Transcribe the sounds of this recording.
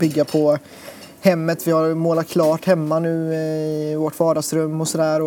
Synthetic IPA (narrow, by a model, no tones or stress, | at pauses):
bʏɡːapʰɔ | hɛmːət̪vɪhaɾmoːlat̪̚kʰlɑːʈhɛmːanʉ̟ːɪɪvɔʈvɑːɖasɾɵmːɔsɔd̪æːɾɔ